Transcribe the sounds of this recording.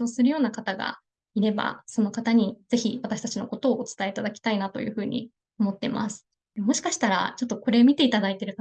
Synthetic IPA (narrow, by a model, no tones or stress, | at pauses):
o̞ːsɨɾɯ̟jo̞ːnakat̪aɡa̰ | iɾe̞ba̰so̞no̞kat̪aɲ̟iz̥e̞çiβat̪aɕi̥t̪at͡ɕino̞̰ko̞t̪o̞ːt͡sɨ̥t̪aeit̪ad̪akʲi̥t̪ainat̪o̞jɯ̟̰ːɸɯ̟ːɲ̟ʔḭ | o̞mo̞t̪ːe̞mʔa̰sɨ̥ | d̪emo̞ɕi̥kaɕi̥t̪aɾa̰t͡ɕo̞t̪ːo̞ko̞ɾe̞mʲit̪e̞it̪ad̪ait̪e̞ɾɯ̟k